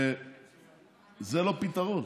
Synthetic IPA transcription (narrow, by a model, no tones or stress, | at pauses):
e | zelopit̪aʁon